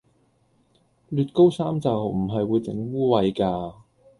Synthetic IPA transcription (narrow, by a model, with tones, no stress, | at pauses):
lyː˨˧t̚ko˥wsaː˥mt͡sɐ˨wm̩˨˩ɦɐ˨jwuː˨˧jt͡sɪ̰˨˥ŋwuː˥wɐ˨˧jkaː˧